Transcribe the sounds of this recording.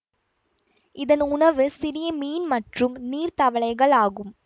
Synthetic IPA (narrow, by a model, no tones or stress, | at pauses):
ʔɪðɐnʊɳɐʋɯsɪɾɪjɐmiːnmɐʈrɯmniːɾt̪ɐʋɐɭɐɪɣɐɭaːɣɯm